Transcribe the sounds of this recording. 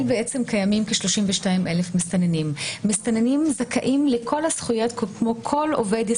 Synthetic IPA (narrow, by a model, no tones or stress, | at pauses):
lbeʔet͡semkajamimkeʃloʃimveʃtaimʔelefmist̪anenimːist̪anenimzakʰaʔimlekʰo̞lhasχujot̪kkmokʰo̞lo̰ved̪